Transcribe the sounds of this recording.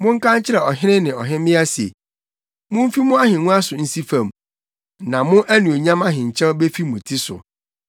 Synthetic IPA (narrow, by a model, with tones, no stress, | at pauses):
mʊ̃˦ŋ̩˦kã˦ɲ˦t͡ɕʰɪ˦ɾɛ˨ɔ˨ɦɪ˦ɪ̃˦nɪ̃˨ɔ˨ɦɪ̃˦mɪ̃˦a˦sḛ˨ | mʊ̃˦m̩˦fi˦mʊ̃˦a˦ɦɪ̃˨nũ˦a˦sʊ˨n̩˦si˦fã˨m | nã˨mʊ̃˦ʔæ˦nũ˨o˨ɲã˦ma˦ɦɪ̃˨ɲ̩˨t͡ɕʰɛ̃˦be˦fi˦mʊ̃˨tʰi˦sʊ̰˨